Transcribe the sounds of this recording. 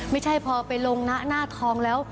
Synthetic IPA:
ma˥˩jt͡ɕʰa˥˩jpʰɔː˧pa˧jlo˧ŋna˦˥ʔnaː˥˩t̪ʰɔː˧ŋlɛː˦˥w

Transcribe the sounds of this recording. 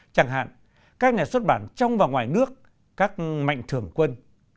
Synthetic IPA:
t͡ɕa˧˩ŋɦa̰ː˧˨n | kaː˦˥k̚ɲaː˨˩swə˦˥t̚ɓaː˧˩˦nt͡ɕa˧wŋ͡mvaː˨˩wŋwaː˨˩jnɨ˦˥ək̚ː | aː˦˥k̚ma̰˧˨jŋ̟t̪ʰɨ˨˩əŋkwə˧n

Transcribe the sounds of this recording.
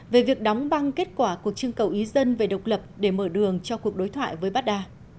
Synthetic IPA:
ve˨˩vi˨˩ək̚ɗɔ˨˦wŋ͡mɓa˧ŋke˦˥t̚kwaː˧˩ku˨˩ək̚t͡ɕɨ˧əŋkə˨˩wʔi˨˦zə˧nve˨˩ɗə˨˩wk͡p̚lə˨˩p̚ɗe˧˩məː˧˩ɗɨ˨˩əŋt͡ɕɔ˧ku˨˩ək̚ɗo˨˦jt̪ʰwa̰ː˧˨jvəː˨˦jɓa˦˥t̚ɗaː˧

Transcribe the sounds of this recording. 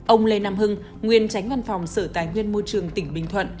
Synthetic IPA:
ʔə˧wŋ͡mle˧naː˧mhɨ˧ŋ | ŋwi˧ənt͡ɕa˨˦jŋ̟va˧nfa˨˩wŋ͡msəː˧˩t̪aː˨˦jŋwi˧ənmo˧jt͡ɕɨ˨˩əŋt̪ï˧˩ŋ̟ɓï˧˩ŋ̟t̪ʰwə̰˧˨nʔ

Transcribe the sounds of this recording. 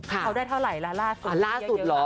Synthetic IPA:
kʰa˦˩a˦˥wdaː˥˩jt̪ʰwɾa˨˩jla˦˥laː˥˩su˨˩laː˥˩su˨˩t̪̚lɔ˦

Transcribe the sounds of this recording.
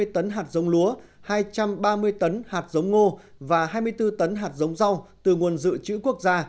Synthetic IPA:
əjt̪ə˨˦nɦaː˨˩t̚zə˨˦wŋ͡mlu˨˦ə | haː˧jt͡ɕa˧mɓaː˧mɨ˧əjt̪ə˨˦nhaː˨˩t̚zə˨˦wŋ͡mŋo˧ | vaː˨˩ɦaː˧jmɨ˧əjt̪ɨ˧t̪ə˨˦nɦaː˨˩t̚zə˨˦wŋ͡mza˧wt̪ɨ˨˩ŋu˨˩ənzɨ̰˧˨t͡ɕɨ̰˧˥ku˦˥ək̚zaː˧

